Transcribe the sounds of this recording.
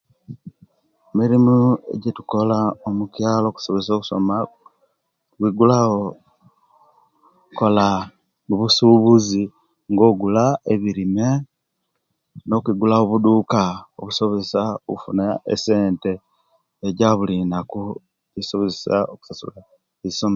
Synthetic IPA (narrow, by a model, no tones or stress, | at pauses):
emiɾimue̞̰ɟetu̥ko̞laomukjaːlo̞ːku̥soβezsoku̥so̰ma | kwiɡulao | kola | uβusuβuzi | ŋɡo̞ːɡulaeβiɾime̞ | no̞kwiɡulaoβud̪uːkao̰βuso̞βesaokufunaḛse̞ːnte̞ː | ɟaβulinaku | isoβezesaoku̥sasṵla | esoma